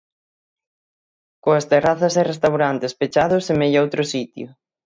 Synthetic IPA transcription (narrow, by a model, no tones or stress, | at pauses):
koɐst̪eraθɐserest̪awɾant̪espet͡ʃaðʊsemejowt̪ɾʊsit̪jʊ